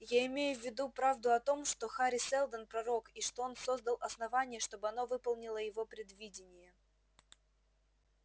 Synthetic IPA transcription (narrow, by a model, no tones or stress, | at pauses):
jaɪmʲejʊvʲːɪd̪upɾavd̪ʊɐt̪o̞mʂt̪o̞xaɾʲɪsɛlˠd̪ənpɾɐɾo̞kiʂt̪o̞o̞nso̞zd̪əlˠʔɐsnɐvanʲɪjəʂt̪o̞bɨɐno̞vɨpəlˠnʲɪlˠəjɪvo̞pɾʲɪd̪vʲidʲɪnʲɪjə